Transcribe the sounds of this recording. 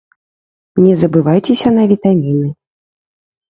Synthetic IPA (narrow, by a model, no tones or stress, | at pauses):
nʲɛzɐbɨvajt͡sʲɛsʲɐnɐvʲit̪amʲinɨ